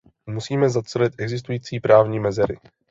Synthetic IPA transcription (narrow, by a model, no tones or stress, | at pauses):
musiːmɛzat͡sɛlɪt̪ʔɛɡzɪs̬t̪ujiːt͡siːpɾaːvɲiːmɛzɛɾɪ̰